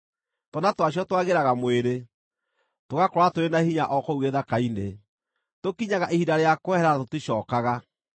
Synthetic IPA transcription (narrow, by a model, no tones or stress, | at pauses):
tɔnatwaɕiɔtwaɣeɾaɣamweɾe | toɣakoɾatoɾenahiɲaʔɔkɔuɣeðakaine | tokiɲaɣaʔehidaɾeakoɛɦɛɾaatotiɕɔːkaɣa